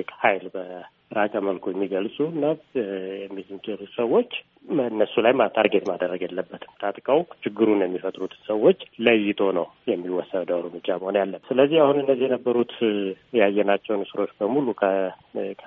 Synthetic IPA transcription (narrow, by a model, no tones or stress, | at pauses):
kʰhajlbə | ɾakʼəməlkʰojɛmːiɡəlsʼuɨnːajɛmːizɨmkʼelusəwːo̞t͡ʃː | ɨnːəsːulajmat̪ʰaɾɡet̪mad̪əɾːəɡjelːəbːət̪ʰɨ̥mt̪ʰat̪ʼkʼəwt͡ʃʰɪɡːɨɾunjɛmːifət̪ʼɾut̪ʰsəwːo̞t͡ʃːləjːɪt̪ʰo̞nəwjɛmːiwːɔsːəd̪d̪əwɾmɨd͡ʒːaməho̞njalːəmsɨləzːihahunɨnːəzːijɛnəbːəɾut̪ | jajːɛnat͡ʃːɛwnɨsɨɾo̞t͡ʃːbəmulukʰəkʰ